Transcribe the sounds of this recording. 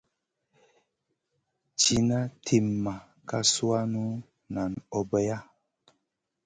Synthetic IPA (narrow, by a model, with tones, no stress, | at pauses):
t͡ʃi˦na˦tʰi˨mːa˨ | ka˦su˦a˦nu˦ | na˨nɔ˨bɛ˦ja˦